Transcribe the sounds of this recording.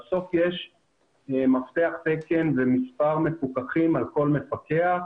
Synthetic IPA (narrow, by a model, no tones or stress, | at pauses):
so̞fjeʃ | maft̪eaχt̪eke̞nvemispaʁmefukaχimalko̞lme̞fakea